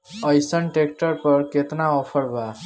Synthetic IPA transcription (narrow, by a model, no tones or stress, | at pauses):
əjsənʈekʈəɾpəɾket̪naɔpʰəɾba